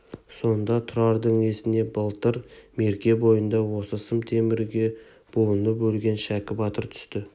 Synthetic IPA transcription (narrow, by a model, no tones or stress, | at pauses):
so̞nd̪ɑt̪ʰʊɾɑɾd̪əɴe̞sɪne̞bɑlˠt̪əɾme̞ɾkʲe̞bo̞jənd̪ɑwo̞səsəmt̪ʰemɪɾɡʲe̞ | b̥o̞lˠənəpɵlɡʲe̞nʃækʲɪbɑt̪əɾt̪ʰʏ̥st̪ɪ